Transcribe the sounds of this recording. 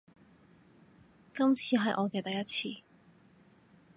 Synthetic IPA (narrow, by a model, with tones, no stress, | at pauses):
kɐ˥mt͡sʰiː˧ɦɐ˨jʔɔː˨˧kɛː˧t̪ɐ˨jɐ˥t̚t͡sʰiː˧